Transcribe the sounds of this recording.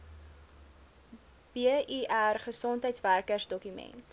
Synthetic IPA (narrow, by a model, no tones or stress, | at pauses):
b̥iʔiʔærχəsɔntɦəjtsværkərsdɔkymɛ̰nt